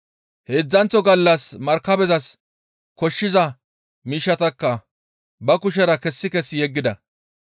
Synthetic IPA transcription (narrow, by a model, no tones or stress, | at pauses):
heːd͡zːɐnt͡sɔɡɐlːɐsmɐɾkːɐbɛzɐs | kɔʃːɪzɐ | miːʃːɐt̪ɐkːɐ | bɐkʊʃ̬ɛɾɐkɛsːɪkɛsːɪjɛɡːɪd̪ɐ̰